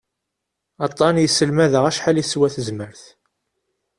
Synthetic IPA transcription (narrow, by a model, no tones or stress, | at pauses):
ɑt̪ˤːɑnjəsːəlmæðəʁæʃħaliswæθəzməɾθ